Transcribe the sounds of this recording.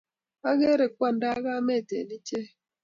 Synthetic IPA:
a˦ɣe˦ɾe˨kʷa˦n̩˨˦da˦ɣa˦me˦˨tḛ˨ni˦t͡ʃe˦

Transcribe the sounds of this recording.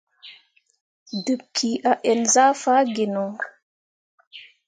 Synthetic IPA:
də˨p̚kʰiʔa˨ʔɛ˨nzaː˦faː˦ɡe˨nɔ˨

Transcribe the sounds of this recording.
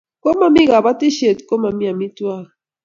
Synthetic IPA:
kɔ˦ma˨mi˦ɣa˨βa˦ti˦ʃe˨tkɔ˦ma˨mi˦a˨mi˦twa˦ɣa˨

